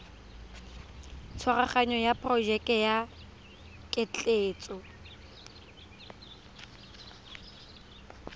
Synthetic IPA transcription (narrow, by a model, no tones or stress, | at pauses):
t͡sʰwaraχaɲɔjapʼrɔʒɛkʼɛja | kʼɪt͡ɬʼeːt͡sʼɔ